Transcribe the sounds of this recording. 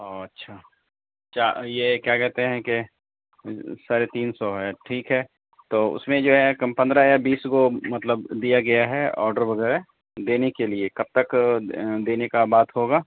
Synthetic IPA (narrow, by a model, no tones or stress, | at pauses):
oɐtːʃʰaː | t͡ʃajekjaːkɛɦt̪eɦɛ̃ke | saːɾet̪iːnsɔɦɛʈʰiːkɦɛː | t̪oːʊ̰smẽd͡ʒoːɦɛkpɐ̃nd̪ɾajabiːsɡomɐt̪ləbd̪ijaɡɐjaɦɛɔ̰ːɾɖəɾʋɐɣɛːɾe | d̪eːnekeliekɐb̚t̪ɐk | d̪eːnekabaːt̪ɦoːɡaː